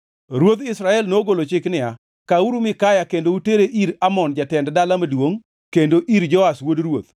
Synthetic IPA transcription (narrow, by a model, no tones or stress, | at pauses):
ɾwot̪ɪsɾaɛlnoɡolot͡ʃɪknɪa | kauɾumɪkajakendouteɾeʔiɾamɔnd͡ʒatɛnddalamadwoŋ | kendoʔiɾd͡ʒɔaswodɾwot̪̚